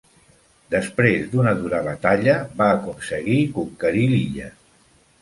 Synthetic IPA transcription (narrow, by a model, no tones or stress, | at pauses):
d̪əspɾezd̪unəðuɾəβət̪aʎəβaːkunsəɣikukːəɾiliʎə